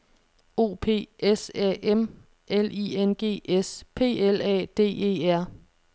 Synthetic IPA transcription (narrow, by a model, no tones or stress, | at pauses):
o̝̰ːpʰe̝̰ːesɛ̰ʔem | ʔelḭːenɡ̥e̝̰ːespʰe̝̰ːelɛ̰ːd̥e̝̰ːe̝̰ːæɐ̰